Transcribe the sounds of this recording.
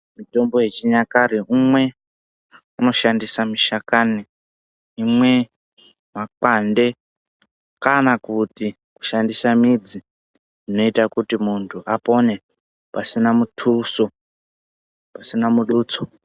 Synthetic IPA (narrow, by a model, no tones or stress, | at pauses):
mito̞mbo̞jet͡ʃiɲakaɾiʔumwe̞ | uno̞ʃandisamiʃakaniː | mwe̞ | mak͡pande̞ | kanakuti | ku̥ʃandisamid͡zi | ino̞itakutimuntʰuʔapo̞ne̞ | pasinamutʰuso | pasinamuɗuːt͡so